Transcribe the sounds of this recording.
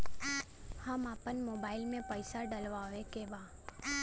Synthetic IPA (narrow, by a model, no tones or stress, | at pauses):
hamapənmobailmẽpəjsaɖəlʋaəʋekeʋa